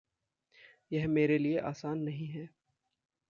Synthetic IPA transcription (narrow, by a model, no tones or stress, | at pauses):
jɛɦmeːɾelieʔaːsaːnːɐɦĩɦɛː